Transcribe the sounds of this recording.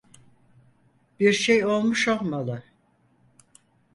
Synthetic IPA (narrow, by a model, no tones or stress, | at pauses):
b̥iɾʃejo̞lˠmuʃo̞lˠmalˠɯ